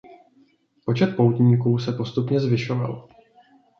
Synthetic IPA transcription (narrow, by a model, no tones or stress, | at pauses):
po̞t͡ʃɛt̪̚po̞wt̪ɲiːkuːsɛpost̪upɲɛzvɪʃo̞va̰l